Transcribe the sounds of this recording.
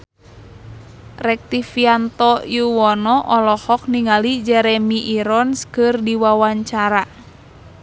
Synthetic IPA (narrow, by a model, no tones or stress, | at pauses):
rɛk̚t̪ifiant̪ɔjuwɔnɔʔɔlɔhɔk̚niŋalid͡ʒɛɾɛmiʔiɾɔnskɨrdiwawaɲt͡ʃaɾa